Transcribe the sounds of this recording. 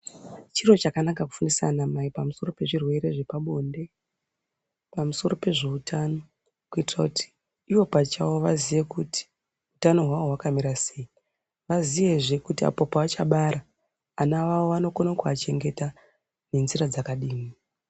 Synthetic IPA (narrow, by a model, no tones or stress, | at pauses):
t͡ʃiro̞t͡ʃakanakaku̥funisa̰namaipamuso̞ro̞pe̞ʐirwe̞ɾe̞ʐe̞paɓo̞nde̞ | pamuso̞ɾo̞pe̞ʐe̞utʰano̞ | kuitirakutʰi̥ː | ʋo̞pat͡ʃawo̞ʋaziʋe̞kuti̥ | utano̞ɦwaʋo̞wakamiɾasei | ʋaziʋe̞ʐekutia̰popaːt͡ʃaɓaɾaː | naʋawoano̞konakuat͡ʃe̞ŋɡe̞ta | ne̞nzirad͡zakaɗiːmi